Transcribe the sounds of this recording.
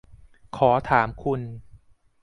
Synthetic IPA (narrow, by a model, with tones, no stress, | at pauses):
kʰɔː˩˦t̪ʰaː˩˦mkʰu˧n